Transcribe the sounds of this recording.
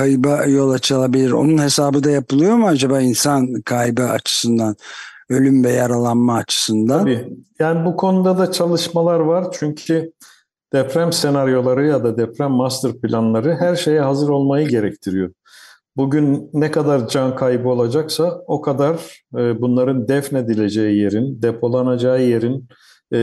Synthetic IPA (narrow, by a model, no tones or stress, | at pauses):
kajbajo̞lˠat͡ʃʰɯlˠabilʲiɾo̞̰nunhe̞saːbɯd̪ajapɯlˠɯjo̞muad͡ʒabaːinsankʰajbɯa̰t͡ʃʰɯ̥sɯnd̪an | ø̞lʲymvɛjaɾalˠanmaːt͡ʃʰɯ̥sɯnd̪aanbiːjaːnibukʰo̞nud̪ad̪at͡ʃʰalˠɯʃmalˠaɾvaɾt͡ʃʰyɲcʰy | d̪̥ɛpɾæmse̞naɾjo̞lˠaɾɯjad̪ad̪ɛpɾæmːast̪ɯɾpʰilʲanlˠaɾɯɦæɾʃe̞jɛɦazɯɾo̞lˠmajɯɟe̞ɾɛct̪ʰiɾijo̞ | buɟynːɛkʰad̪aɾd͡ʒankʰajbɯo̞lˠad͡ʒaksao̞kʰad̪aɾɯːbunlˠaɾɯnd̪ɛfned̪ilʲe̞d͡ʒe̞jije̞ɾind̪epʰo̞lˠanad͡ʒaːɯje̞ɾin